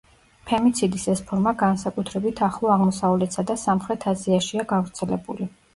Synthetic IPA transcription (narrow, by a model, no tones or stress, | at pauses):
pʰɛmit̪sʰid̪isɛspʰɔɾmaɡansakʼut̪ʰɾɛbit̪ʰaχlˠɔaʁmɔsavlɛt̪sad̪asamχɾɛt̪ʰaziaʃiaɡavɾt̪sʰɛlɛbuli